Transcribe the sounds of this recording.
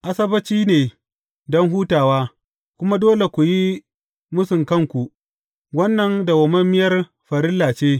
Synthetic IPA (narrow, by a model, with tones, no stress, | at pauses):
ʔa˦sɐ˦bɐ˦t͡ʃiː˦neː˨ | dɔ˦ŋɦuː˦taː˨waː˦ | kʷʊ˦ma˦doː˦le˨kʷu˨ji˦ | mʊ˦sʊ˨ŋkɐ˦ŋkʷu˨ʔ | wɐ˦nːɐ˨nda˨wɐ˨mɐ˦mɪ˦jɐ˦r | ɸɐ˨ɾɪ˦lːaː˨t͡ʃeː˦